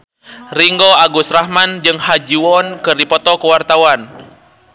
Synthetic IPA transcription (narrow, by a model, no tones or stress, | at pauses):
riŋɡoaɡusrahmand͡ʒɨŋhad͡ʒiwɔnkɨrdipɔt̪ɔkəwart̪awan